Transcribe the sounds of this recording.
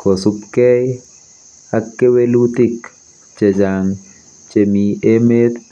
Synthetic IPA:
kosupkɛj | akːewelut̪ik | t͡ʃed͡ʒaŋ | t͡ʃemiemet̪

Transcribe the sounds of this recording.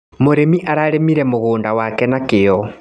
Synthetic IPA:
moɾemiʔaɾaɾemiɾɛmoɣoːndawakɛnakɪjɔ

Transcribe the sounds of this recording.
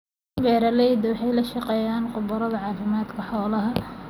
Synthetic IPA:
bɛːɾɐlɛjd̪ɐwɑħɑjlɐʃɑqɛːjaːnqʊbɐɾɐðɐʕɑːfɪmaːd̪kʰɐħɔːlɐɦɐ

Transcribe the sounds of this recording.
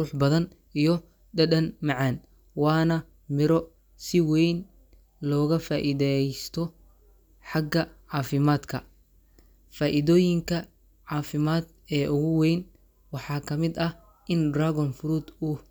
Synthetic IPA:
uːħbɐðɐn | ʔijɔ | ɖɐɖɐnmɑʕɑːn | wɑːnɐ | mɪɾɔ | sɪwɛjn | lɔːɣɐfaːʔiðɛjst̪ʰɔ | ħɑɡɐʕɑːfɪmaːd̪kʰɐ | faːʔɪðɔːjɪŋkʰɐ | ʕɑːfɪmaːd̪ | ɛːʔʊɣʊwɛjn | wɑħɑːkʰɐmɪd̪ɐ | ʔɪndraːɣɔnfɾuːd̪ʊ

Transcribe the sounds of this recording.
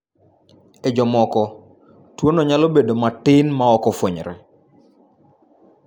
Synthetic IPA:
ed͡ʒɔmɔkɔ | twonoɲalobedomatɪnmaɔkɔfoɲɾɛ

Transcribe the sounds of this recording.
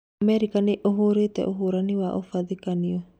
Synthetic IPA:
mɛɾikaneʔoɦoɾetɛ̰ʔoɦoɾaniwaʔofaðikaniɔ

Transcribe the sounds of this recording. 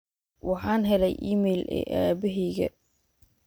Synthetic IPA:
wɑħɑːnɦɛlɛjʔiːmɛjlɛ̰ːʔaːbɪɦɛːɣɐ̰

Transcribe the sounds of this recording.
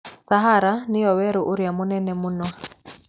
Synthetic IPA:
saɦaɾanɪjɔwɛɾuʔuɾjamunɛnɛmunwa

